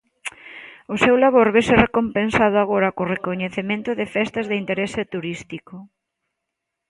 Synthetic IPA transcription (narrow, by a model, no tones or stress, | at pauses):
osewlaβoɾβeserekompensað̞ʊaɣ̞oɾakorekoɲeθemẽnt̪ʊðɪfɛst̪azðeint̪eɾɛset̪uɾist̪iko